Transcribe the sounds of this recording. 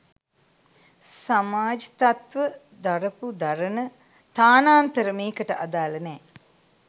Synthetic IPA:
samaːd͡ʒit̪at̪ʋə | d̪aɾəpud̪aɾənə | t̪aːnaːnt̪əɾəmeːkəʈəʔad̪aːlɐnɛː

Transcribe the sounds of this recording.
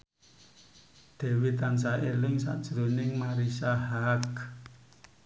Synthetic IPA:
d̪̥ɛ̤wet̪ansaʔelɪŋsa̰ʔd̥ʒ̥ɾo̤nɪŋmaɾisahak

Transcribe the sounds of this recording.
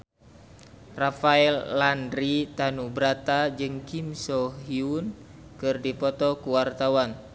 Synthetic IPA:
rafaɛlːandɾit̪anubɾat̪ad͡ʒɨŋkimsɔɦiun | kɨrdipɔt̪ɔkuwart̪awan

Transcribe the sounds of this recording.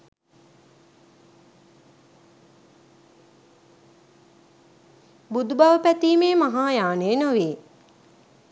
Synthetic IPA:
bud̪ubaʋəpæt̪iːmeːmaɦaːjaːneːnoʋiː

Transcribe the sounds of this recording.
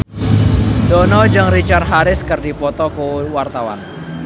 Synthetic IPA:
dɔnɔd͡ʒɨŋrit͡ʃarɦaɾɪskərdipɔt̪ɔkuwart̪awa̰n

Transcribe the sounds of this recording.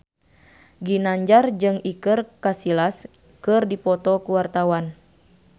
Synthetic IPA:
ɡinaɲd͡ʒard͡ʒɨŋikɨrkasilas | kɨrdipɔt̪ɔkuwart̪awan

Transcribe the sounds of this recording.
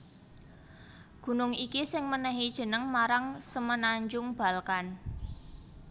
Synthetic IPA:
ɡ̥ṳnʊŋikisɪŋmənɛɦid̥ʒ̥ə̤nəŋmaɾaŋsəmənaɲd͡ʒʊŋb̥a̤lkan

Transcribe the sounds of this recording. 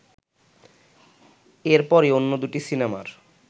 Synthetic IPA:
eɾpɔɾeonːod̪uʈisinema̰ɾ

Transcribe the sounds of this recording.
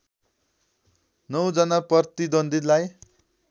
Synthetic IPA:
nʌwd͡zʌnapʌrt̪id̪ʌnd̪id̪laj

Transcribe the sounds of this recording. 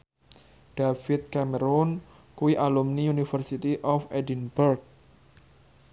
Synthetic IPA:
ɖ̥afit̪̚kaməɾɔn | kuwiʔalumniunifərsit̪iʔɔfedinburk̚

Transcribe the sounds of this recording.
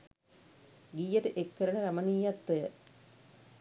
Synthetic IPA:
ɡijɐtɨʔekːɐɾɐɳɐɾɐmɐnijɐt̪ːɨ

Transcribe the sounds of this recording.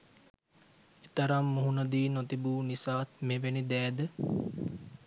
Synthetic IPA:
et̪əɾamːuɦunəd̪iːnot̪ibuːnisaːt̪meʋenid̪ɛːd̪ə

